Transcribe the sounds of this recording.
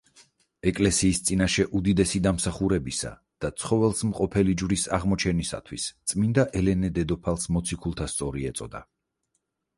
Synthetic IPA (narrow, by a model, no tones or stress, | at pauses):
ɛkʼlɛsiːst̪sʼinaʃɛʔud̪id̪ɛsid̪amsaχuɾɛbisa̰ | d̪̥at̪sʰχɔvɛlˠsmqʼɔpʰɛlid͡ʒvɾisaʁmɔt͡ʃʰɛnisa̰t̪ʰwist̪sʼmind̪aʔɛlɛnɛd̪ɛd̪ɔpʰalˠsmɔt̪sʰikʰulˠt̪ʰast̪sʼɔɾiɛt̪sʼɔd̪a